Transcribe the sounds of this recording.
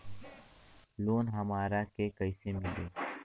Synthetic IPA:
loːnɦɐmaːɾakekɐisemɪleː

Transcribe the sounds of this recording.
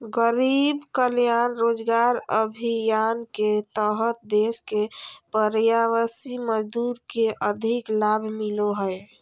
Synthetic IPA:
ɡəɾibkəljanɾod͡ʒɡaɾəbʱijanket̪əɦət̪̚d̪eskepəɾjawəsiməd͡ʒd̪uɾkeʔəd̪ʱiklabʱmiloɦəj

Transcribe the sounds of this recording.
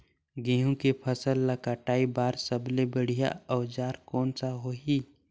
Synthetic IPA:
ɡẽːɦũkepʰəsəlːakaʈaːibaːɾsəblebəɽ̤ija̰ɔːd͡ʒaːɾkɔːnsaɦoːiː

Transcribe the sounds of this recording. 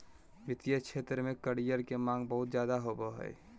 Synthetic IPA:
bɪt̪ijəkʃʰeːt̪ɾəmẽkəɽijəɾkemãːŋɡbəɦʊt̪d͡ʒjaːd̪aɦoboɦɛ̰j

